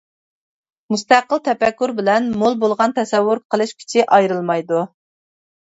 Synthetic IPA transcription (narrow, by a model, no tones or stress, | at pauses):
must̪æqːəlˠt̪ʰɛpɛkʲːuɾbɪlɛnmolˠbolˠʁɑnt̪ʰɛsɛwːʊɾqʰəlˠɨʃkʲʰy̥t͡ʃʰɪʔɑjɾɨlˠmɑjd̪u